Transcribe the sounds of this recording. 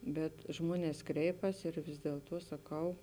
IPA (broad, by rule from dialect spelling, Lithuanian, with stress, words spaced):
bʲɛt ˈʒmuɔnʲɛs ˈkrʲɛɪpɐs ɪr ʋʲɪs dʲiɛlˠˈtuɔ sɐˈkɐʊ